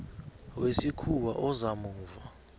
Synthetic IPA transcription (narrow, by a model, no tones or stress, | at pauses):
wesikʰuwaʔɔzamuːva